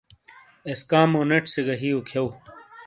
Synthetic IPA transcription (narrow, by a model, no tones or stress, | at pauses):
eskaːmoneʈsiɡɐɦiokʰɐw